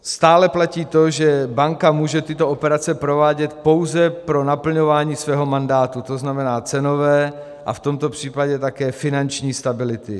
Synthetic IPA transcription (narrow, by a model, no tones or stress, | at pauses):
st̪aːlɛplaciːt̪o̞ʒɛbaŋkamuːʒɛt̪ɪt̪o̞ʔopɛɾat͡sɛpɾo̞vaːɟɛt̪po̞wzɛpɾo̞napl̩ɲo̞vaːɲiːsvɛːɦo̞mandaːt̪ut̪o̞znamɛnaːt͡sɛno̞vɛː | ʔa̰ft̪o̞mt̪o̞pr̥iːpaɟɛt̪akɛːfɪnant͡ʃɲiːst̪abɪlɪt̪ɪ